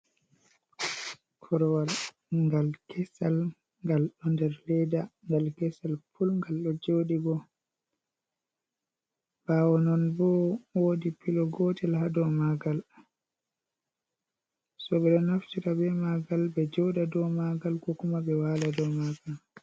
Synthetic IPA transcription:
kʰɔɾɔwal | ŋɡalkɛsal | ŋɡalɗɔndɛɾlɛdaŋɡalkɛsalfulŋɡalɗɔd͡ʒoɗiɡɔ | b̥awɔnɔnbɔwodipilɔɡɔtɛlɦadɔmaɡal | sɔɓɛɗɔnaftiɾabɛmaɡalbɛd͡ʒɔwdadɔmaɡalkɔkumabɛwaladɔmaɡal

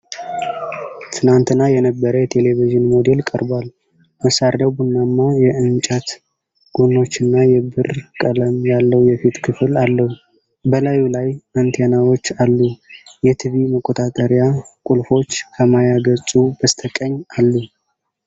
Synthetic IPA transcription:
t̪ʰɨnant̪ʰɨnːajɛnəbːəɾəjɛt̪ʰe̞le̞βiʒɨnmo̞d̪e̞lkʼəɾbal | məsaɾd̪əβunːamːajɛɨnt͡ʃʼat̪ | ɡ̥unːo̞t͡ʃːɨnːajɛbɨrkʼələmjalːəwjɛfit̪kʰɨflalːəhu | bəlajulajant̪ʰejnawo̞t͡ʃːalːujɛt̪ʰɨβiməkʼːo̞t̪ʼat̪ʼəɾjakʼulfo̞t͡ʃːkʰəmajaɡət͡sʼubəst̪ʰəkʼəɲːalːu

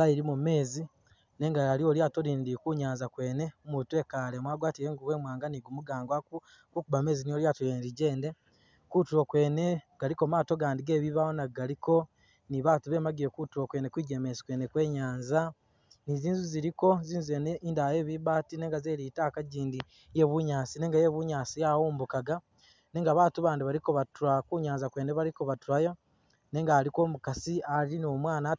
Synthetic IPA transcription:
ɡaiɾimume̞ːzi | ne̞ŋɡaalio̞ljatoɾiːndikuɲaːnzakwe̞ːne̞mutue̞kalemwaːɡwaːtiɾeːŋɡuwe̞ːmwaːŋɡaniɡumuɡaːŋɡwaku | kukuβame̞ːzinijoljaːtojenɾiɟe̞ːnde | kutuɾokwe̞ːne̞ɡ̥aliko̞maːto̞ɡaːndiɡe̞ːβiβawonaɡaliko̞ | niβatuβe̞ːmaɡiɾekutuɾokwe̞ne̞kwiːɟe̞ːmezi̥kwe̞ne̞kwe̞ːɲaːnza | niziːnzuziɾiko̞ziːnzuenindaje̞ːβiβaːtine̞ːŋɡazeːɾitaːkaɟiːndi | je̞βuɲaːsine̞ːŋɡaje̞βuɲaːsijaːwuːmbukaɡa | ne̞ːŋɡaβaːtuβaːndiβaɾikoβatuɾakuɲaːnzakwe̞ːneβaɾikoβatuɾajo̞ | neːŋɡaːliko̞ːmukasiaɾinomwaːna

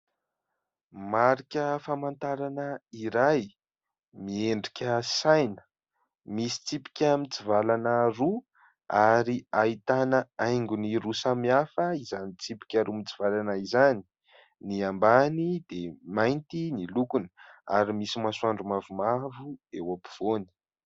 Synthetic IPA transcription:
maɾikʲəfamant̪aɾanəiɾaj | mieɳɖ͡ʐikʲəsajnə̥ | misi̥t͡sipi̥kʲamit͡sivalanaɾu | aɾiait̪anəajŋɡuniɾusamiafəizanit͡sipi̥kʲaɾumit͡si̥valanaizani̥ | niambanid̪emajnt̪inilukunəa̰ɾimisimasuaɳɖ͡ʐumavumavuewapi̥v̥oni̥

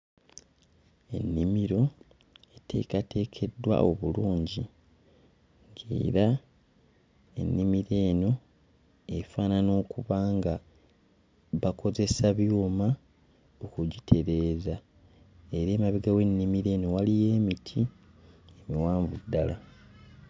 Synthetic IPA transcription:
e̞̰nːimiɾo̞ | etʰe̞̰ːkatʰe̞ːkʰe̞dːwa̰ʔo̞̰βuluːɲɟi | ŋɡe̞̰ːɾa | e̞̰nːimiɾe̞ːno̞ | efaːnano̞ːkuβaːŋɡa | βakʰo̞ze̞saβjuːma | okuɟitʰe̞ɾe̞ːza | e̞ɾeːmaβiɡawe̞nːimiɾe̞ːno̞walije̞ːmitʰi | emiwaːɱvudːala

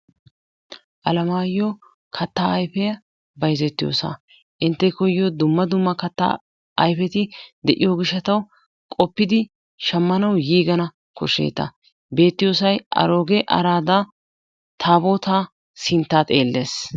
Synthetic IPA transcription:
ʔɐlɐmaːjːo | kʰɐt̪ːaːɐjfɛjɐ | bɐjzɛt̪ːɪjo̰ːsɐ̰ | ʔɪnt̪ːɛkɔjːod̪ʊmːɐd̪ʊmːɐkɐt̪ːa̰ | ʔɐjfɛt̪ɪd̪ɛʔɪjoːɡɪʃːɐt̪ɐw | kʼɔpːɪd̪ɪ | ʃɐmːɐnɐwjiːɡɐnɐ | kʊʃḛːt̪ːɐ̰ | be̞ːt̪ːɪjoːsɐjɐ̰ɾo̞ːɡɛʔɐ̰ɾaːd̪ɐ | t̪ʰaːboːt̪aː | sɪnt̪ːaːt̪e̞ːlːeːs

